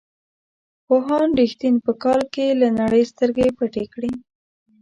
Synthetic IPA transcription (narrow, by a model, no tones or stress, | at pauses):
poɦɑnɾixt̪inpəkɑlkelanaɽəjst̪əɾɡepəʈekɽi